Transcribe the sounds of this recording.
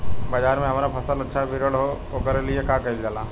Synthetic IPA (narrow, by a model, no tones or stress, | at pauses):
bad͡ʒaːɾmẽɦɐmaːɾapʰɐsəlɐtːʃʰabʱiɾəɽɦo | okəɾeliekakɐild͡ʒalaː